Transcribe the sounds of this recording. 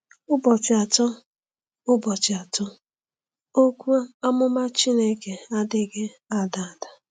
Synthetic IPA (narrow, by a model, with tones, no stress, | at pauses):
ʊ˦bɔ˨t͡ʃɪ˨a˨tɔ˦ | ʊ˦bɔ˨t͡ʃɪ˨a˨tɔ˦ | o˦kʷu˦a˦a˦mʊ˦ma˦t͡ʃi˦ne˦ke˨a˦dɪ˦ɡe˦ | a˨da˨a˨da˨